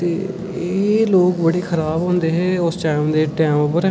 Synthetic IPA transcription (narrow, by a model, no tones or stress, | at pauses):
t̪eː | eːloːkbəɽeːkʰəɾaːbɦõːnd̪eːɦɛːʊst͡ʃãːmd̪eːʈɛːmoːpəɾ